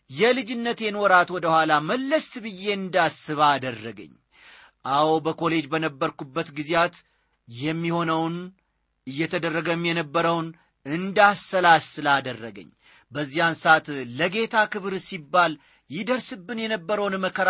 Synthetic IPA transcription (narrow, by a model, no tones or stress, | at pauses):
jɛlɨd͡ʒɪnːət̪jɛno̞ɾat̪wɔd̪əhʷalaməlːəsbɨjːe̞ɨnd̪asːɨβaːd̪ərːəɡə̰ɲː | ʔawbəko̞le̞d͡ʒbənəbːəɾkubːət̪ɡizjat̪ | jɛmːiho̞nəwn | ɨjːɛt̪ʰəd̪ərːəɡəmjɛnəbːəɾəwn | ɨnd̪asəlasɨlad̪ərːəɡə̰ɲː | bəzːijansat̪ːəɡe̞t̪ʰakɨβɾsibːal | jɪd̪əɾsɨbːɨnjɛnəbːəɾəwnməkʰəɾ